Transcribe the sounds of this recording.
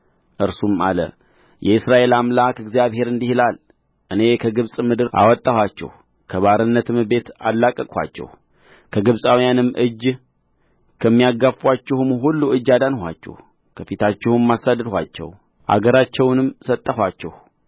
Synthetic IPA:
ʔɨɾsumalə̰ | jɛɨsɾaʔe̞lamlakɨɡzijaβhe̞ɾɨnd̪ihilal | ʔɨne̞kʰəɡɨβsʼmɨd̪ɨɾʔa̰wɔt̪ʼːəhwat͡ʃːɛ̰h | kʰəβaɾɨnːət̪ɨmɨbe̞t̪a̰lːakʼːəkʼwa̰t͡ʃːɛ̰h | kʰəɡɨβsʼawijanɨmːʔɨd͡ʒ | kʰəmːijaɡafwat͡ʃːɛhmɦulːuɨd͡ʒːad̪anhʷa̰t͡ʃːɛ̰h | kʰəfit̪ʰat͡ʃːɪhɨmːasad̪ɨd̪hʷwa̰t͡ʃːɛ̰w | ʔa̰ɡəɾat͡ʃːɛwnɨmːsət̪ʼːəhʷat͡ʃːɛh

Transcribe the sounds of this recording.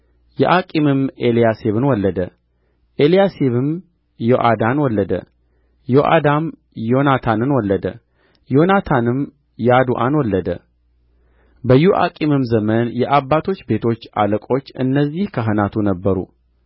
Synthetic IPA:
jɛʔakʼimɨmelijaseβɨnwɔlːəd̪ə | ʔe̞lijaseβɨm | jo̞ʔad̪anwɔlːəd̪ə̰ | jo̞ʔa̰d̪am | jo̞nat̪ʰanɨnwɔlːəd̪ə̰ | jo̞nat̪ʰanɨm | jad̪uʔanwɔlːəd̪ə̰ | bəjːuʔa̰kʼimɨmzəmənjɛʔabːat̪ʰo̞t͡ʃːbe̞t̪ʰo̞t͡ʃːa̰ləkʼo̞t͡ʃːɨ̰nːəzːihkʰəɦɨnat̪ʰunəbːəɾṵ

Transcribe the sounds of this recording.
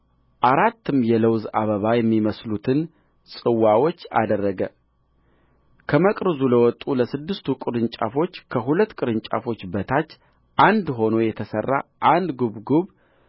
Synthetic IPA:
ʔaɾat̪ːɨmjɛləwza̰βəβajɛmːiməslut̪ʰɨn | sʼɨwawot͡ʃːa̰d̪ərːəɡə | kʰəməkʼɾɨzuləwɔt̪ʼuləsɨd̪ːɨst̪ʰukʼɨɾɨnt͡ʃʼa̰fo̞t͡ʃːkʰəɦulət̪ːkʼɨɾɨnt͡ʃʼa̰fo̞t͡ʃːbət̪ʰat͡ʃː | ʔand̪ɦo̞no̞jɛt̪ʰəsərːa̰ʔand̪ɡuβɡuβ

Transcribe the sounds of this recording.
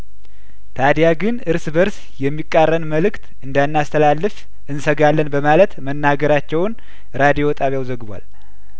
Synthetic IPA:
t̪ʰad̪jaɡɨnɨɾsbəɾs | jɛmːikʼːarːənməlɨkt̪ɨnd̪anːast̪ʰəlalːɨf | ʔɨnsəɡalːənbəmalət̪mənːaɡəɾat͡ʃːɛwn | ɾad̪ijo̞t̪ʼaβjawzəɡɨβʷa̰l

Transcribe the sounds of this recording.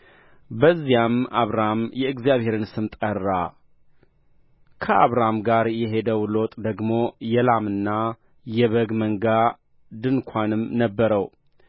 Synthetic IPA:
bəzːijama̰βɾamjɛɨɡzijaβhe̞ɾɨnsɨmt̪ʼərːa | kʰəʔa̰βɾamɡaɾjɛɦe̞d̪əwlo̞t̪ʼd̪əɡmo̞jɛlamɨnːa | jɛβəɡməŋɡa | d̪ɨnkʷʰanɨmnəbːəɾəw

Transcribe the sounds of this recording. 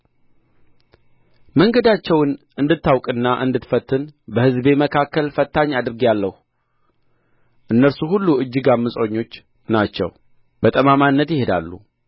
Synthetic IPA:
məŋɡəd̪at͡ʃːɛwnʔɨnd̪ɨt̪ːawkʼɨnːaʔɨ̰nd̪ɨt̪fət̪ːɨnbəhɨzbe̞məkʰakːəlfət̪ːaɲːad̪ɨɾɡijalːəhu | ʔɨnːəɾsuhulːuɨd͡ʒːɨɡamːɨsʼo̞ɲːo̞t͡ʃː | nat͡ʃːɛ̰w | b̥ət̪ʼəmamanːət̪jɪhe̞d̪a̰lːṵ

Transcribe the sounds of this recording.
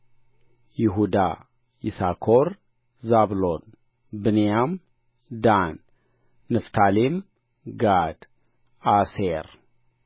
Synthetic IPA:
jɪɦud̪a | jḭsakʰoɾ | zablon | bɨnijam | d̪anː | ɨft̪ʰalim | ɡad̪ | aseɾ

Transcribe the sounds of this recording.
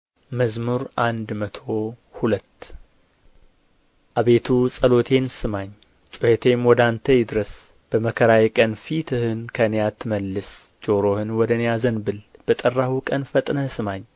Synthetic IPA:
məzmuɾʔand̪mət̪ʰo̞hulət̪ː | ʔaβe̞t̪ʰusʼəlo̞t̪ʰe̞nsɨmaɲ | t͡ʃʼʊhet̪ʰe̞mwɔd̪ant̪ʰəjɪd̪ɨɾəs | b̥əməkʰəɾajkʼənfit̪ʰɨhɨnkʰənjat̪ʰːməlːɨs | d͡ʒoɾo̞hɨnwɔd̪ənjazənbɨlb̥ət̪ʼərːahukʼənfət̪ʼnəsɨmaɲː

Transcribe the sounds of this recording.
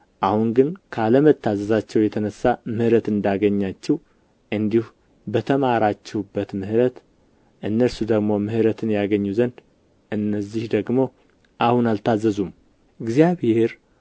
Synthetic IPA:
ʔahunɡɨnkʰaləmət̪ʰːazəzat͡ʃːɛwjɛt̪ʰənəsːamɨhɾət̪ɨnd̪aɡəɲːat͡ʃːɛh | ʔɨnd̪ihu | bət̪ʰəmaɾat͡ʃːɛhubːət̪mɨhɾət̪ | ʔɨnːəɾsud̪əɡmo̞mɨhɾət̪ʰɨnjaɡəɲːuzənd̪ | ʔɨnːəzːihd̪əɡmo̞ | ʔahunalt̪ʰazəzum | ɨɡzijaβheɾ

